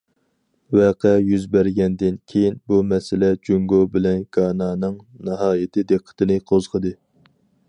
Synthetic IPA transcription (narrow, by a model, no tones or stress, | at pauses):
wɛqʰɛjyzbæɾɡʲɛnd̪ɪnkʲʰejinbumɛsɪlɛd͡ʒyŋɡobɪlɛnɡ̥ɑːnɑːnɨŋnɨɦɑːjɪt̪ʰɨd̪eqʰːə̥t̪ʰɨnɨqʰozʁəd̪ɨ